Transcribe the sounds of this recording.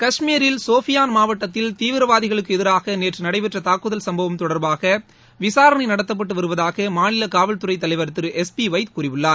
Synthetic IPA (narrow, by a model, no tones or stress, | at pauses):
kɐʂmijɐɾɪlsoːfɪjaːnmaːʋɐʈːɐt̪ːɪlt̪iːʋɪɾɐʋaːðɪɣɐɭɯkːɯɛðɪɾaːɣɐneːʈrɯnɐɽɐɪpɛʈrɐt̪aːkːɯðɐlsɐmbɐʋɐmt̪ɔɽɐɾbaːɣɐ | ʋɪsaːɾɐnɐɪnɐɽɐt̪ːɐp̬ːɐʈːɯʋɐɾɯʋɐðaːɣɐmaːɳɪlɐkaːʋɐlt̪ɯɾɐɪt̪ːɐlɐɪʋɐɾt̪ːɯɾɯʔɛspiʋɐɪt̪kuːɾɪʋɯɭːaːɾ